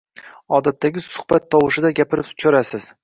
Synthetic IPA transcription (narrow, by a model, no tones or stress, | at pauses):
ɒd̪at̪ʰːaɡʲɪsʊ̥hb̥at̪ʰːɒwɪʃɪd̪aɡʲapʰɪɾɪpkʲʰɵɾasɪz̥